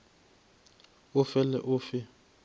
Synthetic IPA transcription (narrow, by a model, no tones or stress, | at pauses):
ʊfɛlɛ̰ʔʊfɪ